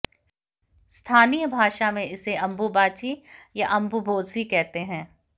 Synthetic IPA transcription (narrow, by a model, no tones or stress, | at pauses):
st̪ʰaːnijəbʱaːʃamẽɪseɐ̃mbubaːt͡ʃijaʔɐ̃mbubʱoːd̪sikɛɦt̪eɦɛ̃ː